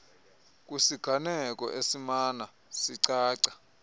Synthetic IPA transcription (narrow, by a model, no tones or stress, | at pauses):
k̬ʼusiɡ̥ʱanɛkʼɔ̰ʔesimaːna | siǀaːǀḁ